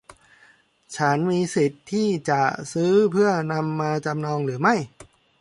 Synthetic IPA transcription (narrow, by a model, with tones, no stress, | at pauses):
t͡ɕʰa˦˥nmiː˧si˨˩t̪ʰːiː˥˩t͡ɕa˨˩sɯː˦˥pʰɯ˥˩ɐna˧mːaː˧t͡ɕa˧mnɔː˧ŋɾɯː˩˦ma˥˩j